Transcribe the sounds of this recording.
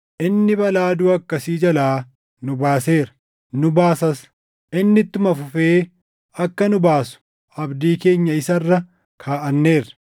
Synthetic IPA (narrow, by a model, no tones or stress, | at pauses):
ʔɪnːɪbɐlaːd̪uɐkːɐsiːd͡ʒɐlaː | nʊbaːse̞ːɾɐ̥ | nʊbaːsɐs | ʔɪnːɪt̪ːʊmɐfʊfeː | ɐkːɐnʊbaːsʊ̥ | ɐbd̪iːke̞ːɲːɐɪsɐrːɐ | kʰaːʔɐnːe̞ːrɐ̥